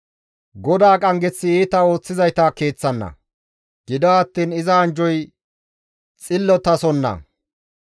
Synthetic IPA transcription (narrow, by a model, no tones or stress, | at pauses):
ɡɔd̪aːkʼɐŋɡɛt͡sːɪiːt̪ɐo̞ːt͡sːɪzɐjt̪ake̞ːt͡sːɐnːɐ̰ | ɡ̥ɪd̪aːɐt̪ːiːnɪzɐːnd͡ʒɔj | t͡sʼɪlːɔt̪ɐsɔnːɐ̰